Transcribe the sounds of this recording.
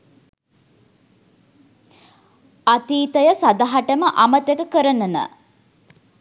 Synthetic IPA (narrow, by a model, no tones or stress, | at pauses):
at̪iːt̪əjəsad̪aɦaʈəməʔamət̪ekəkəɾənənə̰